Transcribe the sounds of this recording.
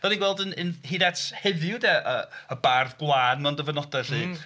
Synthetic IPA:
d̥ɔniɡwɛlˠdənənhidathɛðjʊdɛʔəəbarðɡlˠaːnmandəvənɔdɛr̥iː

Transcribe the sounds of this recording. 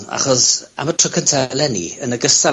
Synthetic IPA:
a̰χɔsa̰mətʰrɔkʰəntʰalɛnḭənəɡəsta

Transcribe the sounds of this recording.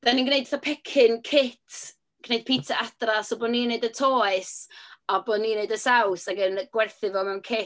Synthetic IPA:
ðɛninɡnejdθapʰɛkʰɪnkʰɪtʰ | ɡ̥nejd̥̚pʰiːtʰaʔatrasɔboːdniːneɨdətʰɔːɨsɔbodniːneɨdəsawsaɡənɡ̥wɛrθɨvɔmawnkʰɪ

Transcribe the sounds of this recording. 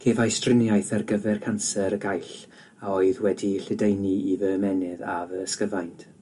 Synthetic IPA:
kʰeːvajstrɪnjajθarɡəvɛrkʰansɛɾəɡajɬ | aoɨðwɛdiɬɪdejniivəmɛnɪðavəskəvajntʰ

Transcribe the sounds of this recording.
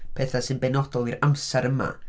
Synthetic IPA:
pʰɛθasɨnbɛnɔdɔlˠiɾamsɛɾəma̰

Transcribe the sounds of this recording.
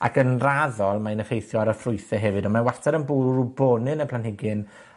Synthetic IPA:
a̰kʰənraðɔlˠmaənəχejθjɔaɾəfrʊɨθɛɦɛvɨdɔmawartʰɛɾənbuːrubɔnɨnəpʰl̥ˠanhɪɡɨn

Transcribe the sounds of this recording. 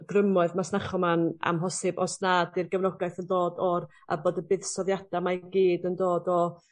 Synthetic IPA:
ɡ̥rəmɔɨðmasnaχɔmana̰mɦɔsɨbɔsnaːdɨrɡəvnɔɡajθəndoːdɔr | a̰boːdəbɨðsɔðjad̥amaɡiːdəndoːdɔ

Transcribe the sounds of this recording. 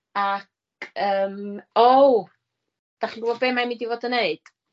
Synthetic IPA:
akʰ | əːmow | d̥aχinɡubɔbeːmajmidivoːdəneɨd̥

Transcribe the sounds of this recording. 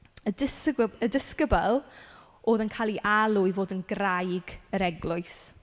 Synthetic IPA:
ədɪsədɪskəbalˠ | oːðənkʰaːlˠiʔalˠʊivoːdənɡrajɡəɾɛɡlˠʊɨs

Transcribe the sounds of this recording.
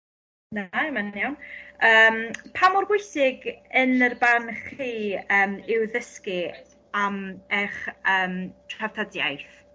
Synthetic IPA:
naɛmannjawnəːmpʰamʊrɡʊjsɪɡənərbanχiːəːmɪwðəskɪ | amɛχəːmtʰrav̥tʰadja̰jθ

